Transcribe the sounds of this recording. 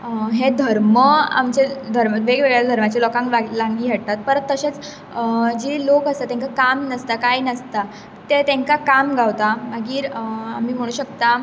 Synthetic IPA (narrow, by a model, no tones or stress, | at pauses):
ɦed̪ʱəɾməa̰mt͡ɕed̪ʱəɾməʋeɡʋeɡɭjad̪ʱəɾmat͡ɕelɔkãŋkalãŋɡiːɡʱeɽt̪at̪̚pəɾt̪ːəɕet͡s | d͡ʑilokəst̪at̪ẽŋkakamnəst̪akajnəst̪a | t̪et̪ẽŋkakamɡʱawt̪amaɡiːɾam̤iːm̤əɽ̃uːɕəkt̪a